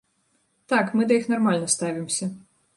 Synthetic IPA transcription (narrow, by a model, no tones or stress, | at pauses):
t̪akmɨd̪ɐjixnarmalʲnɐst̪avʲimsʲɐ